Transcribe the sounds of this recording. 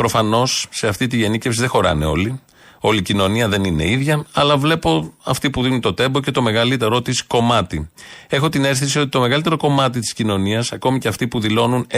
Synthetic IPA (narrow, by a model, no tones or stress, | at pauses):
pɾo̞fɐno̞sːe̞ɐft̪it̪iʝe̞nice̞fsiðe̞xo̞ɾɐ̰ne̞̰o̞̰li | o̞licino̞niɐðe̞nine̞̰iðʝɐɐlɐvle̞po̞ɐft̪ipuðinunt̪o̞t̪e̞mbo̞ce̞t̪o̞me̞ɣɐlit̪e̞ɾo̞t̪isko̞mɐt̪ie̞xo̞t̪ine̞ɾθisiot̪i̥t̪o̞me̞ɣɐlit̪eɾo̞ko̞mɐt̪̬it̪iscino̞niɐsɐko̞miceɐft̪ipuðilo̞nun